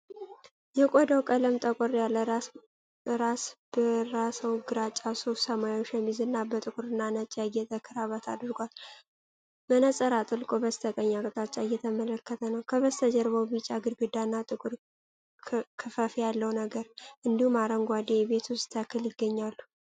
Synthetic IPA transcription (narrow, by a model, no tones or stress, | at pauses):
jɛkʼod̪awkʼələmt̪ʼəkʷʼɔɾjalː | ɾasbəɾasəwɡɨɾat͡ʃʼawsosəmajot͡ʃːjɛmːizɨnːabət̪ʼɨkʼuɾɨnːanət͡ʃʼːaɨjɛt̪ʼəkʰːɨɾaβat̪ʰa̰d̪ɾɨɡʷal | mənəsʼəɾat̪ʼɨlkʼobəst̪ʰəkʼəɲːakʼt̪ʼat͡ʃʼaɨjɛt̪ʰəmələkːət̪ʰənəwkʰəβəst̪ʰəd͡ʒɛɾβəwbit͡ʃʼaɡɨd̪ɡɨd̪anːat̪ʼɨkʼuɾ | kʰɨfəfijalːəwnəɡəɾʔɨnd̪ihumaɾəŋɡʷad̪ebe̞t̪ʰust̪ʰakʰːɨljɪɡːəɲːalːu